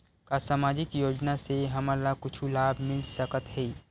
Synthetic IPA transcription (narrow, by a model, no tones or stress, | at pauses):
kasaːmaːd͡ʒɪkjoːd͡ʒnaseɦɐməlakʊt͡ʃʰulaːbʱmɪlsəkət̪ɦɛː